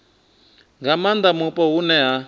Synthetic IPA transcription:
ŋɡamand̪amupʼɔɦunɛɦa

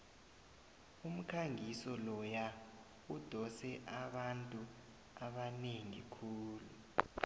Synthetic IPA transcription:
um̩kʰaŋisɔlɔja | ud̥ʱɔsɛʔaɓantʼu | aɓaneŋḭkʰuːlu

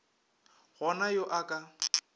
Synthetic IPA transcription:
ɣɔnajoʔakʼa

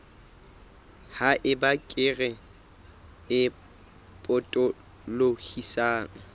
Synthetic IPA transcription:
haʔɪbakʼɪɣɛ | ɪ | pʼʊtʼɔ | lohisaːŋ̩

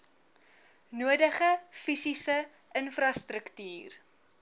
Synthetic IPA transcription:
nuədəχəfisisə | ʔənfrɐstɾəktyːr

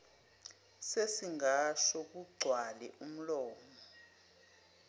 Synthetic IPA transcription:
sesiŋaʃɔk̬uɡ͡ǀʱwalɛ̰ʔum̩lɔːmɔ

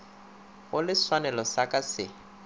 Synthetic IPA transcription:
ɣʊlɪswanɛlɔsakʼasɪ

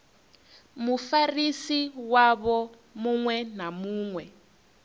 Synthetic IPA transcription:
mufarisiwaβɔ | muŋwɛnamuːŋwɛ

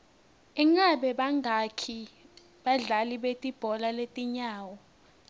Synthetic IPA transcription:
ɛŋaɓɛɓaŋakʰi | ɓaɮaliɓetʼib̥ʱɔlaletʼiɲaːwɔ

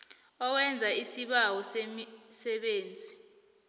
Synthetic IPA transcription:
ɔwɛnd͡zʱaisiɓawɔsemisɛɓeːnd͡zʱi

